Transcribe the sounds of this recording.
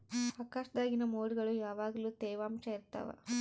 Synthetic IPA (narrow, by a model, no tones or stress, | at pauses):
aːkaːʂɐd̪aːɡinɐmoːɽiɡɐɭujaːʋaːɡɐluːt̪ɛːʋaːmt͡ʃɐiɾt̪ːa̰ːʋa̰